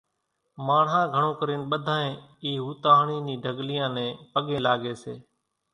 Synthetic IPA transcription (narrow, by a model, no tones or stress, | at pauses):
maːɳɦãːɡʱəɳõːkəɾeːnɓəd̪ʱãːẽːiːɦuːt̪aːɦɳiːnĩːɖʱəɡlɪjãːnɛ̃ːpəɠẽːlaːɡeːseː